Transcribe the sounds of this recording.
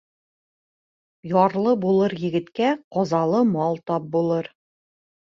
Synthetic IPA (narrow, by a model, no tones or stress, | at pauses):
jɒɾlˠɤbulˠɤɾjɘ̆ɡɘ̆t̪kæqɒzɑlˠɤmɒlˠt̪ɒp̚bulˠɤɾ